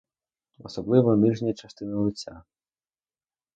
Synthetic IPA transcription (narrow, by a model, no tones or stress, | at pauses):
ɔsɔblˠɪʋɔnɪʒnʲɐt͡ʃɐst̪ɪnɪlˠɪt͡sʲːa̰